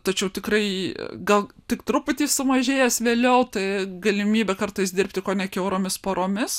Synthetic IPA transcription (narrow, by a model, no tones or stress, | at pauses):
t̪ɐt͡ʃʲɛʊt̪ʲɪkrɐɪɡɐlˠt̪ʲɪkt̪ɾʊpʊt̪ʲiːssʊmɐʒʲeːjɛsʋʲeːlʲɛʊt̪ɐɪɡɐlʲɪmʲiːbʲɛkɐrt̪ɐɪsd̪ʲɪɾʲp̚ʲt̪ʲɪkoːnʲɛkʲɛʊɾoːmʲɪspoːɾoːmʲɪs